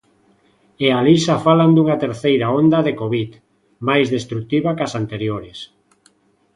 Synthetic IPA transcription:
ealisafaland̪uŋat̪eɾθejɾaond̪ɐðekoβit̪ | majzðest̪ɾuk̚t̪iβakasant̪eɾjoɾes

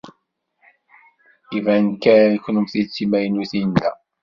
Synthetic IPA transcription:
ivænkænəçnumθit͡sːimæjənuθijənd̪æ

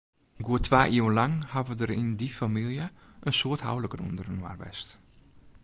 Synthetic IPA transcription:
ɡuətʰʋaːʔiwənlaŋhavədəɾɪndifamilˠjə | ʔənsoətha̰wləkərṵndərənwa̰rʋɛ̰st

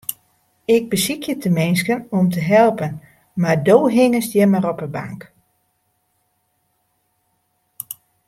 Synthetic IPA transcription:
ɪɡ̚bəsikʰjətʰəmɪnskənɔmtəɦɛlˠpən | mardoːɦɪŋəsdjɛmaɾɔpəba̰ŋk

